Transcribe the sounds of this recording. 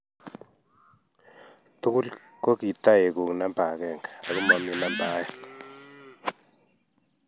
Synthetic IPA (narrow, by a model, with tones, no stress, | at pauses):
tʊ˦kʊ˦l | ko˦ki˨ta˦e˨ku˨ŋna˦mba˨kɛ˦˨ŋɡa˨a˨kʊ˦mɔ˨mi˦na˦mba˨˦jɛ˦